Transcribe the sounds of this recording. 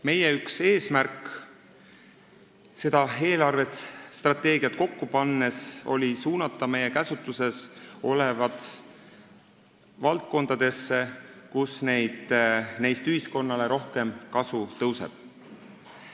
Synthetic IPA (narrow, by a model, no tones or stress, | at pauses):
me̞jeykse̞ːsmærk | se̞d̪̥ɑe̞ːlɑrve̞t̪st̪rɑt̪ːˑe̞ːɡiɑt̪̚ko̞kːupɑnːe̞so̞̰lisuːnɑt̪ːˑɑme̞jːekæsut̪ːˑuse̞so̞le̞vɑt̪ | vɑlt̪̚ko̞nd̪̥ɑd̪̥e̞sːe̞kusne̞jd̪̥nejst̪yhisko̞nːɑle̞ɾo̞hke̞mkɑsut̪ɤwse̞̰b̥̚